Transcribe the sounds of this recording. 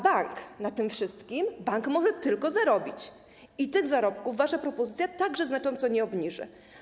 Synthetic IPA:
baŋknat̪ɘmfʂɘst̪kʲimbaŋkmɔʐɛt̪ɘlkɔzaɾɔbʲit͡ɕ | it̪ɘɣzaɾɔpkuvːaʂapɾɔpɔzɘt̪sʲjat̪aɡʐɛznat͡ʂɔnt̪sɔɲɛɔbɲiʐɘ̰

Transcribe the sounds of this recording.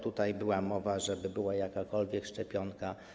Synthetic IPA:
t̪ut̪ajbɘwamɔvaʐɛbɘbɘwajakakɔlvʲjɛkʂt͡ʂɛpʲjɔŋka

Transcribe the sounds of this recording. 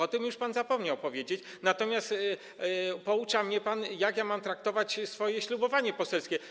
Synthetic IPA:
ɔt̪ɘmjuʂpanzapɔmɲawpɔvʲjed͡ʑet͡ɕ | nat̪ɔmʲjast̪ | pɔut͡ʂamɲɛpanjakjamamt̪ɾak̚t̪ɔvat͡ɕsfɔjɛɕlubɔvaɲɛpɔsɛlskʲɛ

